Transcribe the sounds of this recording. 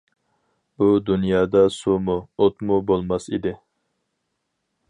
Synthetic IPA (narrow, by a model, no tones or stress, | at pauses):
bud̪unjɑːd̪ɑsumuot̪mubolˠmɑsḭd̪ɪ